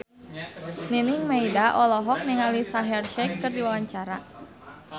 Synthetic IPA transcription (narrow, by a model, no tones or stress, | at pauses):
ninɪŋmaidaʔɔlɔɦɔk̚nɛŋalisaɦɛrʃɛkːɨrdiwawaɲt͡ʃaɾa